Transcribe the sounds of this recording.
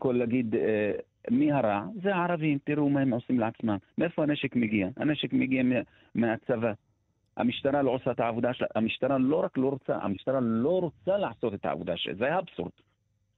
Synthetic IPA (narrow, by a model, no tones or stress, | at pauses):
kolːaɡid̪e | mihaɾaʕzeaʕaɾˤɑvimt̪iɾumahemʕosimleʕat͡smamːeʔefohaneʃekmeɡiaha̰neʃekmeɡiame | meat͡sava | ha̰miʃt̪aɾaloʕosaet̪aʕavud̪aʃla̰amiʃt̪aɾˤalo̞ɾaklo̞ɾot͡sa̰ʔha̰miʃt̪aɾˤalo̞ɾot͡salaʕaso̞t̪et̪aʕa̰vud̪aʃḛzajaabsṵɾd̪̥